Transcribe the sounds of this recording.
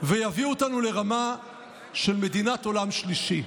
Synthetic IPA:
vejaviotanule̞ʁama | ʃe̞lme̞d̪inato̞lamʃliʃi

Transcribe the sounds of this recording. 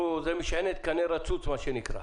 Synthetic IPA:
uzemiʃenet̪̚kɐneɾɐt͡sut͡smaʃenikʰɾa̰

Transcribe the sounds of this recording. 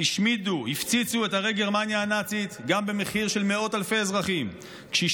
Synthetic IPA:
iʃmiduhift͡sit͡sue̞thaʁejɡeʁmanjaːnat͡sit̪ɡambe̞meχiʁʃe̞lmeo̞talfe̞ezʁaχim | kʃei

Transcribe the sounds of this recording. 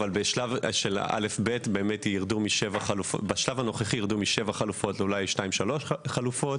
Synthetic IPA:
valbeʃlavʃela̰le̞fbetbe̞ːmetjiʁdumiʃevaχalufbaʃlavano̞χeχijiʁd̪umiʃevaχalufo̞tlulajʃnaimʃalo̞ʃχalufo̞t

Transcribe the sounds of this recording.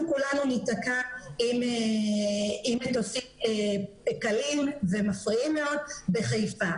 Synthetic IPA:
kulanunitakaime | imetosie | kalimve̞mafʁiimːe̞o̞d̚beχajfa

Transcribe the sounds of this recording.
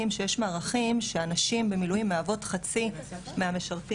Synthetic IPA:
imʃejeʃmaːʁaχimʃeanaʃimbe̞milujimːeavo̞tχat͡si | meame̞ʃaʁti

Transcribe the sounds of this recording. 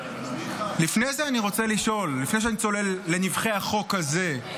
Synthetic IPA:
lifne̞jzeaniʁo̞t͡seliʃo̞lːifnejʃeanit͡so̞le̞lːe̞nivχe̞aχo̞kaze̞

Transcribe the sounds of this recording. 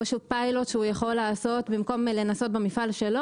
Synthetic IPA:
aʃupajlo̞tʃeujaχo̞lːaːso̞t̪bimko̞mle̞naso̞t̪̚bemifalʃe̞lo

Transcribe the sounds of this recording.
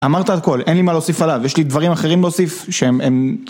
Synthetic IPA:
amaʁt̪aːlko̞lʔenlimaleosifalavjeʃlid̪vaʁimaχe̞ʁimleosifʃeemem

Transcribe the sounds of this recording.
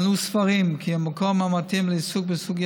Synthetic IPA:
nusfaʁimkʰiamakomamatimləisuk̚bəsuɡ

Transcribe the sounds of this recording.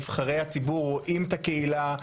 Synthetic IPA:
v̥χaʁe̞jhat͡sibuʁoʔimt̪akeila

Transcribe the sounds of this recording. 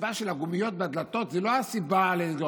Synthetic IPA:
baʃelaɡumijo̞t̪̚bead̪lat̪o̞t̪zɛloasibaleo

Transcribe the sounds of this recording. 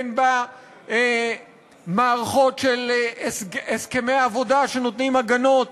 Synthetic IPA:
nba | e | maːʁaχo̞tʃel | eske̞mejaːvo̞daʃe̞no̞t̪nimaɡanot

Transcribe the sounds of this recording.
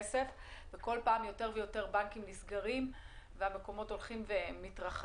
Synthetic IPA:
sefveko̞lpaːmjo̞teʁvejo̞te̞ʁbankimlisɡaʁim | veame̞ko̞mo̞to̞lχimvemitʁaχ

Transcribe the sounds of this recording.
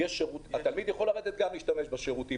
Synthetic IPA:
jeʃeʁutat̪almid̪jaχo̞laʁed̪et̪̚ɡamliːʃtame̞ʃbaʃeʁut̪i

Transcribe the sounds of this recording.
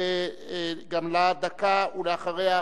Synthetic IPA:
e | ɡamlad̪akauleaχaʁeja

